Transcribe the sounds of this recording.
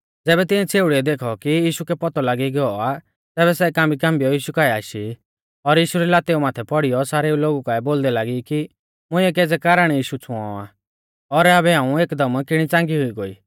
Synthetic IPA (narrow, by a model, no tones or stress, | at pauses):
d͡zɛːbɛt̪ɪ̃ɛ̃t͡sʰeːʊɽiɛd̪eːkʰɔkijiːʃukɛpɔt̪ɔlaːɡiɡɛɔa | t̪ɛːbɛsɛkãːmbikãːmbijɔjiːʃukaːɛaːʃi | ɔɾjiːʃuɾɛlaːt̪eumaːt̪ʰɛpɔɽijɔsaːɾɛuloːɡukaːɛboːld̪ɛlaːɡiki | mʊ̃ɪ̃ɛkeːd͡zɛkaːɾəɽ̃ɛjiːʃut͡sʰʊ̃ɔ̰̃a̰ | ɔɾaːbɛɦãːũeːkd̪ɐmkɪɽ̃it͡sãːŋɡiɦʊiɡoḭː